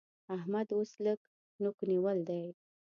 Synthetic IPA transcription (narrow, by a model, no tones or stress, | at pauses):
ahmad̪osləɡ | nukniwəld̪aj